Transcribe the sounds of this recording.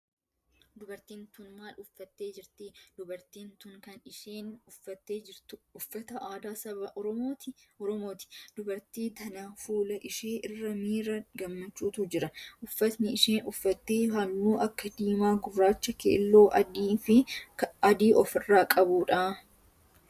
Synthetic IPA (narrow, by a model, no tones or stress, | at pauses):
d̪ʊbɐɾt̪iːnt̪ʊnmaːlʊfːɐt̪ːeːd͡ʒɪɾt̪iːd̪̥ʊbɐɾt̪iːnt̪ʊŋkɐnɪʃeːnɐt̪ːeːd͡ʒɪɾt̪ʊʊfːɐt̪ɐʔaːd̪aːsɐbɐʔ | ɔɾɔmoːt̪ɪ̥d̪̥ʊbɐɾt̪iːt̪ɐnafuːlɐʔɪʃeːʔɪrːɐmiːɾɐɡɐmːɐt͡ʃːuːt̪ud͡ʒɪɾɐʔʊfːɐt̪nɪɪʃeːnʊfːɐt̪ːeːɦɐlːuːʔɐkːɐd̪iːmaːɡʊbɾaːt͡ʃːɐkḛːlːo̞ːʔɐiːfɪɐd̪iːʔɔfɪrːaːkʼɐbuːᶑaː